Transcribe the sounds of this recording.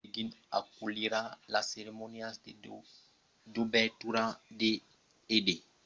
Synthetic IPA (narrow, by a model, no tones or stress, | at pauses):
ɡina̰k̚uliɾalaseɾemoniasde | dubɛtuɾade | ede